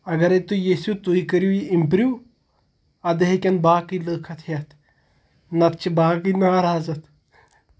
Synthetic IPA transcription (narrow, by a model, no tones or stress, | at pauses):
ɐɡɐɾet̪ujiːsut̪uikəɾjuːiimpɾjuː | ɐd̪eɦikʲɐnbaːkiləːkʰɐt̪ʰjɐt̪ʰ | nɐt̪̚t͡ʃʰibaːkinaːɾaːzɐt̪ʰ